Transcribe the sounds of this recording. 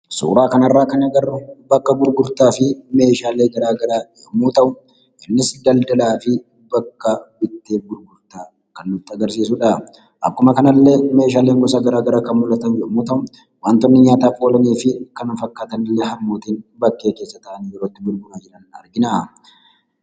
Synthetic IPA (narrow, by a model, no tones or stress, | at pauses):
sṵːɾaːkɐnɐrːaːkɐnɐɡɐrʊbɐkːɐbʊɾɡʊɾt̪aːfɪme̞ːʃaːleːɡɐɾaːɡɐɾaːd͡ʒɛʔʊmuːt̪ɐʔʊ | ʔɪnːɪsd̪ɐld̪ɐlaːfɪ | bɐkːɐbɪt̪ːeːbʊɾɡʊɾt̪aː | kɐnːʊt̪ːɪɐɡɐɾs̬iːsʊᶑa | ʔɐ̰kːʊmɐkɐnɐlːe̞ːme̞ːʃ̬aːle̞ːŋɡɔsaːɡɐɾaːɡɐɾaːkɐnmʊlɐt̪ɐnd͡ʒɛʔʊmuːt̪ɐʔʊ | waːnt̪ɔnːɪɲaːt̪aːfʼoːlɐniːfɪkɐnɐfɐkːaːt̪ɐnɪlːeːɦɐmːoːt̪iːnbɐkːe̞ːke̞ːsːɐt̪ɐʔɐnijɛɾoːt̪ːɪbʊɾɡʊmad͡ʒɪᶑɐnɐɾɡɪnaː